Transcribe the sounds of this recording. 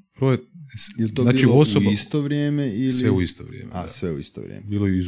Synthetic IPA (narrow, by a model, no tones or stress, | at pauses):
bɾoːjesilt̪onaːt͡ʃiiosoist̪oʋɾjeːmeilʋeuist̪oʋɾjḛːmesʋeuḭst̪o̰ʋɾʲjḛːmbiːlˠojeiz